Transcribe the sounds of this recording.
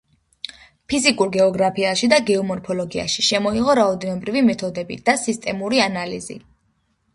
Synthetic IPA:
pʰizikʼuɾɡɛɔɡɾapʰiaʃid̪aɡɛɔmɔɾpʰɔlɔɡia̰ʃiʃɛmɔiʁɔɾaɔd̪ɛnɔbɾivimɛt̪ʰɔd̪ɛbḭd̪̥asist̪ʼɛmuɾianalḭzḭ

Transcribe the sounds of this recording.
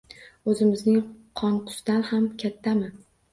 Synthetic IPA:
ɵzɪmɪznɪŋqʰɒɴqʰʊ̥sd̪anhamkʲʰat̪ʰːamɪ

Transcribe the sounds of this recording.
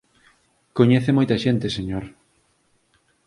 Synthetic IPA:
koɲeθemojt̪ɐʃent̪eseɲoɾ

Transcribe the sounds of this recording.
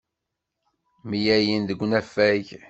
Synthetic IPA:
mijæjinðəɡʷːnæfæʝ

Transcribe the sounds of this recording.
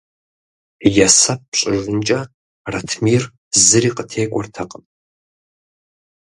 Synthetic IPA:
jasɐp̚ːɕʼɪʒɨnt͡ʃʼɐ | rɐtʰmiːr | zɨriːqətʰeːkʷʼɔrtʰɐqʼəm

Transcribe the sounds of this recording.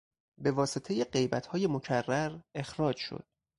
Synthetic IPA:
be̞vɒːset̪ʰe̞je̞ɢe̞jbæt̪ʰhɒːje̞mo̞cʰærːæɾe̞xɾɒːd͡ʒʃo̰d̪̥̚

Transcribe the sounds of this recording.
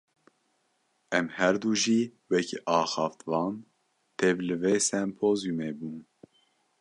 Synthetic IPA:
ɛmhɛɾd̪uːʒiːwɛkʰḭʔɑːxɑːft̪vɑːn | t̪ʰɛvlɨveːsɛmpʰoːzjumeːbuːn

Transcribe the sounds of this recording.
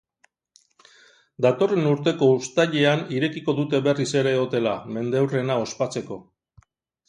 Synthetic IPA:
d̪at̪o̞re̞nuɾt̪e̞ko̞ust̪aʎe̞aniɾe̞kiko̞ðut̪e̞βerise̞ɾe̞o̞t̪e̞lame̞nd̪ewre̞nao̞spat͡se̞ko̞

